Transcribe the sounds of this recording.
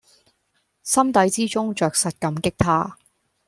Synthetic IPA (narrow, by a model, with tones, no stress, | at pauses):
sɐ˥mt̪ɐ˨˥jt͡siː˥t͡sʊ˥ŋt͡ʃœː˨˩k̚sɐ˨t̚kɐ˨˥mkɪ˥k̚t̪ʰaː˥